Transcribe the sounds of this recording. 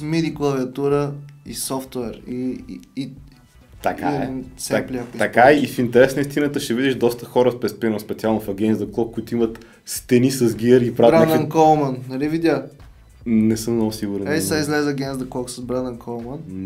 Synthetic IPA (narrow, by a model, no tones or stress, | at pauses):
miɾiklˠɐviɐt̪uɾəisɔft̪wɛɾi | t̪ɐka̰ɛsalʲiapit̪ɐkaifint̪ɛɾɛsnəist̪inət̪əʃɛvid̪ɛʃd̪ɔst̪əxɔɾəspɾɛspinəspɛt̪sialˠnofɐɡʲɛnzd̪ɐklˠɔkkːʊit̪ʊimət̪ | st̪ɛnisɐzɡʲiɾipɾaɾainkɔlˠmɐnːɐlivid̪ʲa | nɛsəmnɔʊsiɡʊɾɛnɛsaizlɛzɐɡʲɛnzd̪ɐklˠɔksɐzbɾand̪ɐnkɔlˠmən